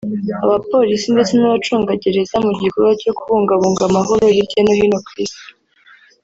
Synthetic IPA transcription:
aβapo̞ɾisinde̞t͡se̞naβat͡ʃuːŋɡaɟeɾezamuɟikoɾaco̞kuβuːŋɡaβuːŋɡamaɦoɾoɾiɾɟenohinokɾisto̥

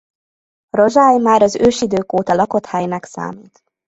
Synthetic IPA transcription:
ro̞ʒaːjmaːɾɒzøːʃid̪øːkoːt̪ɒlɒko̞t̪hajnɛksa̰ːmiːt̪

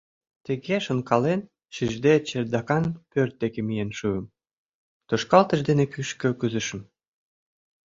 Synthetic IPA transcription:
t̪eɣeʃə̆nkɑlen | ʃiʒd̪et͡ɕerd̪ɑkɑnpørt̪̚d̪ekemijenʃuəm | t̪oʃkɑlt̪əʒd̪enekyʃkø̆kɨzəʃə̆m

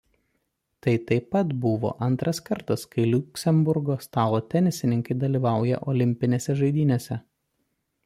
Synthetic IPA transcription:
t̪ɐɪt̪ɐɪpɐt̪bʊʋo̰ːʔɐnt̪ɾɐskɐɾt̪ɐskɐɪlʲʊkʲsʲɛmbʊɾɡoːst̪ɑːlˠoːt̪ʲɛnʲɪsʲɪnʲɪŋkɐɪd̪ɐlʲiːʋɑˑʊjɛ̰ʔɔːlʲɪmʲpʲɪnʲeːsʲɛʒɐɪd̪ʲiːnʲeːsʲɛ

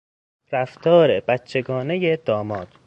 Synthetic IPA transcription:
ɾæft̪ʰɒːɾebætt͡ʃʰːe̞ɡɒːne̞jed̪ɒːmɒːd̪

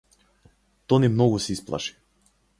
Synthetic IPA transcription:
t̪ɔnimnɔɡusɛisplˠa̰ʃi̥

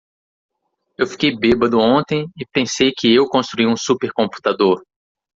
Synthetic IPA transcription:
ewfi̥kejbebɐd̪ʊõnt̪ẽj̃ɪpẽsejkɪewkõst̪ɾuiũsupeɾkõmpu̥t̪ad̪oɾ

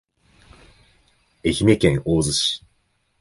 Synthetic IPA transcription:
eçʲimʲekẽŋoːzɨɕi̥

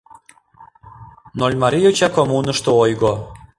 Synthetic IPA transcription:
nolʲmɑɾʲijut͡ɕɑkomunə̆ʃt̪oojɣo

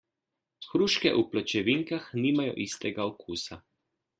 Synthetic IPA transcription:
xɾuːʃkɛ̰ʔuplɔt͡ʃɛʋiŋkaxniːmajɔ̰ʔist̪ɛɡaokuːsa

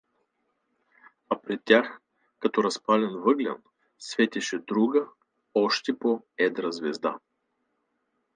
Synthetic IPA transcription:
ɐpɾɛt̪ʲːax | kɐt̪ɔɾɐspalʲɛnvɤɡlʲɐ̰n | svɛt̪ʲɛʃɛd̪ɾuɡə | ɔʃt̪ɛpo | ɛd̪ɾɐzvɛzd̪a̰

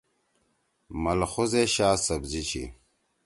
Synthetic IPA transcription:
mɐlxozeɕaːsɐbzit͡ɕʰḭ

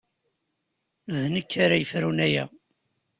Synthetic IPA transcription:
vnəkːaɾajəfɾunæjæ

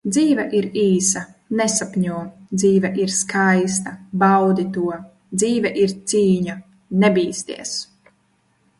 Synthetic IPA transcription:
d̪ziːvɛʔiɾiːsanesapʲɲuɔd̪ziːvɛʔiɾskʰajs̬t̪ɐbawd̪it̪uɔ | d̪ziːvɛʔiɾt̪siːɲa | nebiːst̪ḭɛs

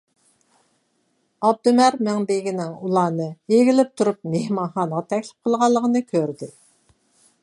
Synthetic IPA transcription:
ɑb̚d̪umæɾmæŋb̪eɡʲinɪŋulˠɑːnɨeɡʲilɪp̚t̪ʰuɾup̚mehmɑnχɑːnəʁɑt̪ʰɛkʲlɪ̥p̚qʰəlˠʁɑlˠːəʁənɨkʲʰøɾd̪ɪ

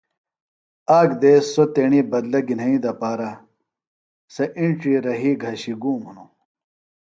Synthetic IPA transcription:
aːɡd̪eːsot̪eːɳibɐd̪lɐɡinɐĩd̪ɐpaːɾa | sɐʔiɳʈ͡ʂiːɾɐɦiːɡʱɐɕiɡuːmunu

